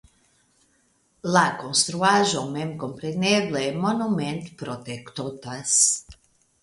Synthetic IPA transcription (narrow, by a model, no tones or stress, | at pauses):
lakõnst̪ɾuaʒõwmemkõmpɾenebleɛmonumẽnt̪pɾot̪ekt̪ot̪as